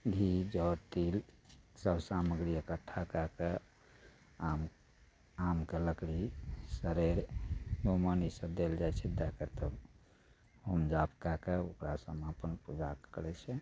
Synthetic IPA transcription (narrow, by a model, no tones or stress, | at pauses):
ɡʱid͡ʒɔt̪ilsəbsaməɡɾijəkəʈʰːakake | am | amkeləkɽisəɾeɾɡomənisəbd̪eld͡ʒajt͡ʃʰɛd̪akəɾt̪əb | homd͡ʒapkakeokɾasəmapənpud͡ʒakəɾɛt͡ʃʰɛ